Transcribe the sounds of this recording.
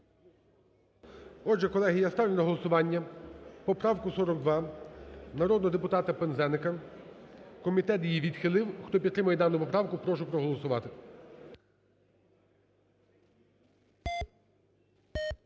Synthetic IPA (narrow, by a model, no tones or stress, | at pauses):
ɔdʒɛkɔlˠɛɦijɐst̪ɑwlʲɛnɐɦɔlˠɔsʊʋɑnʲːɐpɔpɾɑwkʊsɔɾɔɡd̪ʋɑ | nɐɾɔd̪nɔɦɔd̪epʊt̪ɑt̪ɐpenzɛnɪkɐ | kɔmʲit̪ɛt̪jijiʋʲid̪xɪlˠɪwxt̪ɔpʲid̪t̪ːɾɪmɐjɛd̪ɑnʊpɔpɾɑwkʊpɾɔʒʊpɾɔɦɔlˠɔsʊʋɑt̪ɪ